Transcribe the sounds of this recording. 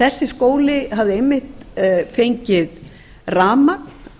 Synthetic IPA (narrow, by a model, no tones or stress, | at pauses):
θɛsːɪskoːwlɪɦavðɪejmːɪht̪fejɲcɪð | raːmakn̥